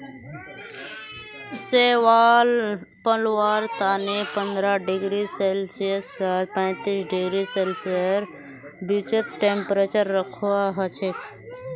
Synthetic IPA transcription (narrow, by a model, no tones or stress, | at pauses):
seʋaːl | pəlwaːɾt̪aːnepənd̪ɾaɖɪɡɾiselsiəalpə̃jt̪isɖɪɡɾiseːlsiəɾ | bit͡ʃət̪ʈempɾet͡ʃəɾːəkʰuaɦət͡ʃʰe